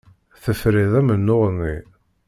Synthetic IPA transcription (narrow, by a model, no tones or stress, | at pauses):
θəfɾiðˤæmənːʊʁnːi